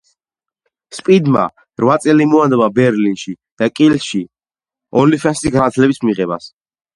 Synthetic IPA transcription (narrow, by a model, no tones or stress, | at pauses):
spʼid̪ma̰ | ɾvat̪sʼɛlimɔand̪ɛbabɛɾlinʃi | d̪̥akʼilʃi | ɔlifʰɛnsiɡanat̪ʰlɛbismiʁɛba̰s